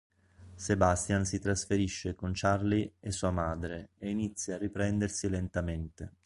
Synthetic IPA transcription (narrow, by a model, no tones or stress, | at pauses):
sebast̪jansit̪ɾasfeɾiʃːekont͡ʃarliesːuːamaːd̪ɾeeinit̪sːjaarːipɾɛnd̪ersilent̪ament̪e